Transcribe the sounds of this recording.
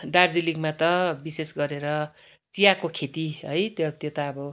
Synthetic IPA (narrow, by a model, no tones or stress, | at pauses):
ɖard͡ziliɡmat̪ʌbisesɡʌɾeɾʌ | t͡sijakokʰet̪iɦʌjt̪jʌt̪jot̪aːbʌ